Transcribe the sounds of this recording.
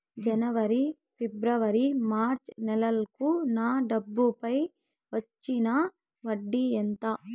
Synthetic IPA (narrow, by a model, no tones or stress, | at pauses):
d͡ʒɐnɐʋɐɾi | pibɾɐʋɐɾimaːɾt͡ʃnɛlɐlkunaːɖɐbːupɐj | ʋɐt͡ʃːinɐ | ʋɐɖːient̪ɐ